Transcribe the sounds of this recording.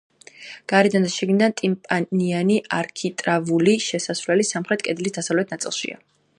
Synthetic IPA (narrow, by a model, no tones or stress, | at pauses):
ɡ̥aɾɛd̪and̪aʃɛɡnid̪ant̪ʼimpʼanianiʔaɾkʰit̪ʼɾavuliʃɛsasvlɛlisamχɾɛt̪̚ʰʼkʼɛd̪lisd̪asavlɛt̪ʰnat̪sʼḭlˠʃḭa̰